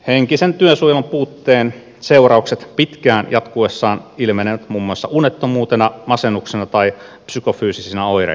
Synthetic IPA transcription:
heŋkisent̪yøsujmɑmpuːt̪ːeːn | seurɑukset̪pit̪kæːnjɑt̪kuesːɑːnilmeneʋæt̪mumːuɑsːɑ̰ʔunet̪ːomuːt̪enɑmɑsenːuksenɑt̪ɑi | psykofyːsisinæoiɾɑ̰

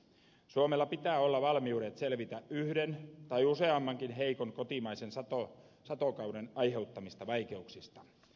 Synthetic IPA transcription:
suomelːɑpit̪æːolːɑʋɑlmiudet̪selʋit̪æʔyhdent̪ɑjuseɑmːɑŋkinɦeikonkot̪imɑisensɑt̪o | sɑt̪okɑwdenɑjhe̞ut̪ːɑmist̪ɑʋɑjke̞uksist̪ɑ

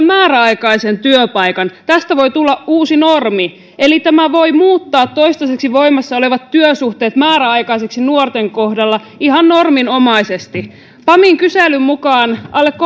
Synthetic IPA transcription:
mmæːɾæɑikɑisent̪yøpɑikɑnt̪æst̪æʋo̞jt̪ulːɑʔuːsinormi | elit̪æmæʋo̞jmuːt̪ːɑːt̪ːoist̪ɑseksiʋo̞imɑsːɑole̞ʋɑt̪tyøsuht̪e̞ːt̪mæːɾæɑjkɑiseksinuort̪eŋkohdɑlːɑ | ihɑnːormino̞mɑisest̪i | pɑmiŋkyselːymmukɑːnɑlːekː

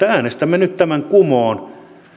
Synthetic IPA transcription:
ææːnest̪æmːænyt̪t̪æmæŋkumoːn

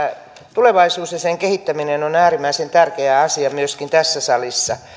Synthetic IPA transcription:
t̪uleʋɑisuːsjɑseŋkehit̪ːæminenonæːrimæisent̪ærkeæɑsiɑmyøskint̪æsːæsɑlisːɑ

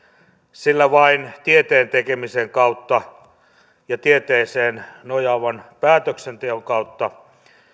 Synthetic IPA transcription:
silːæʋɑint̪iet̪eːnt̪ekemiseŋkɑut̪ːɑ | jɑt̪iet̪eːseːnnojɑʋɑnpæːt̪øksent̪eoŋkɑut̪ːɑ

